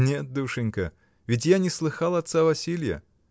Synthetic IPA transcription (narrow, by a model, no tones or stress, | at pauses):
nʲet̪̚d̪ɨʂɨnʲkə | vʲɪt̬ʲjanʲɪslˠɨxalˠɐt̪savɐsʲilʲjə̰